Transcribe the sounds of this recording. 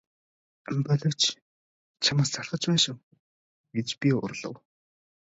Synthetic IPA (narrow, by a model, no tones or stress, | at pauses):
mpɔɮʲɞ̆w̥t͡ɕ | t͡ɕʰamăːst͡saɮχə̆t͡ɕpæːʃʊ̆ŋ | ɡ̥et͡ɕpʲiʊ̰rɮə̰̆w